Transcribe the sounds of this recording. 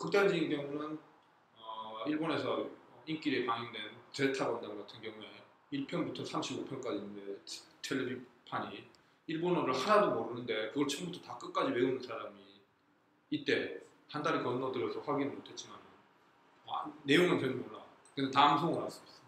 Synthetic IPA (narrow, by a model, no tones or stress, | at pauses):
kɯk̚t͈aɭd͡ʑiɲinɡjʌŋunɯn | ʌiɭbone̞sʰʌink͈iɾepaŋiŋdwe̞nt͡ɕe̞ɭtʰabʌndaɡatʰɯnɡjʌŋue̞ | iɭpʰjʌnbutʰʌsʰamɕʰibopʰjʌnk͈ad͡ʑinːɯnde̞̥tʰeɭːebipʰaɲi | iɭbonʌɾɯɭhanadomʌɾɯnɯnde̞kɯɡʌɭt͡ɕʰʌmbutʰʌtak͈ɯk̚k͈ad͡ʑiwe̞unɯnsʰaɾamiː | t͈̚e̞ | handaɾikʌnːʌdɯɾjʌsʰʌɸwaɡinɯɭmotʰe̞t̚t͡ɕ͈imanɯn | aːe̞joŋɯnpjʌnɯmoɭːa | kɯnde̞taɯnsʰoŋɯnas͈ɯʌs͈ʌ